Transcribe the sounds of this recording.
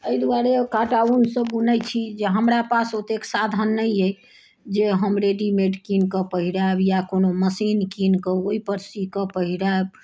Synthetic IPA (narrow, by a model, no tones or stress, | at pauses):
əjd̪uaɾekaʈaunsə̃ɡunəjt͡ʃʰid͡ʒeɦəmɾapasot̪eksad̪ʱənːəjej | d͡ʒeɦəmɾeɖimeɖkinkəpəɦiɾabjakonoməsinkinkəoipəɾsikəpəɦiɾab